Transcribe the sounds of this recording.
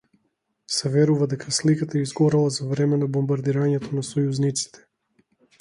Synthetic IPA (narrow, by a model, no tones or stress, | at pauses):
sɛvɛɾuvad̪ɛkʰaslikat̪aizɡɔɾɛlˠazavɾɛmɛnabɔmbaɾd̪iɾaɲɛt̪ʰɔnasɔjuznit̪si̥t̪ʰɛ̥